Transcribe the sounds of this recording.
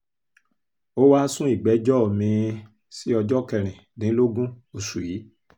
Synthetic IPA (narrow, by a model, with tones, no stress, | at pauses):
o˦wa˦sũ˦i˦˨ɡ͡bɛ˨˦d͡ʒɔ˦˨mĩ˧ | si˦ɔ˧d͡ʒɔ˦kɛ˨ɾ̃ĩ˨nĩ˨˦lo˦ɡũ˦o˧su˨ji˨˦